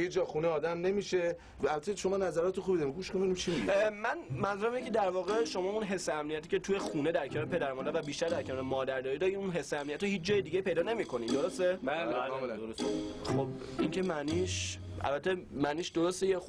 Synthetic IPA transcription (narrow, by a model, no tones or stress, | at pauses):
jid͡ʒɒːxuneɒːd̪æmne̞miʃe | ælbæt̪ʰːeʃomɒːnæzæɾɒːt̪ʰuxubid̪ɒːɾimɡuːʃkoeinimt͡ʃʰimiimænmæzuɾæminecʰed̪æɾvɒːɣe̞ʃo̞mɒːunɦe̞sːeæmnijæt̪ʰiːcʰe̞t̪ʰuje̞xuːne̞d̪æɾcʰenɒːɾepʰe̞d̪æɾmɒnd̪æɾvæbiːʃt̪æɾd̪æɾcʰe̞nɒːɾemɒːd̪æɾd̪ɒːɾiːd̪ɒːɾiːunɦe̞sːeæmnijæt̪ɾohiːt͡ʃd͡ʒɒːjed̪iːɟeipe̞jd̪ɒːnemiːkʰo̞niːd̪oɾost̪eblemelæd̪oosxob | iŋcʰe̞mæniʃ | ʔæ̰lbæt̪ʰːemæniːʃd̪oɾost̪ejex